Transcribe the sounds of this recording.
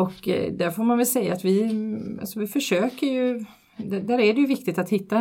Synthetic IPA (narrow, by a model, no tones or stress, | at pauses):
ɔkd̪æɾfoːɾmanvɛlsɛjːaːt̪vɪa̰lsɔvɪfœʂøːkəɾjɵ | d̪æd̪æɾæɖɛjɵvɪk̚t̪ɪt̪at̪hɪt̪ːa